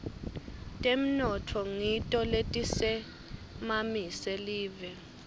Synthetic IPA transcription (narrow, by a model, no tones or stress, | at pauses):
tʼem̩nɔtʰɔŋitʼɔletʼisɛ | mamisɛliːvɛ